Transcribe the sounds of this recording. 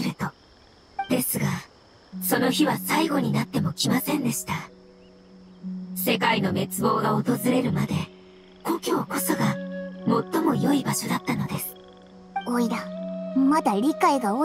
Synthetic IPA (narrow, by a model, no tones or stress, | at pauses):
ɾɯ̟t̪o̞ | d̪̥e̞sɨɡa | so̞no̞çiβasaiɡo̞ɲ̟inat̪ːe̞mo̞kʲimasẽ̞nd̪e̞ɕi̥t̪a | se̞kaino̞me̞t͡sɨbo̞ːɡao̞t̪o̞zɨɾe̞ɾɯ̟mad̪e̞ | ko̞kʲo̞ːko̞so̞ɡamo̞t̪ːo̞mo̞jo̞ibaɕo̞d̪at̪ːano̞d̪e̞sɨ̥ | oid̪amad̪aɾʲikaiɡao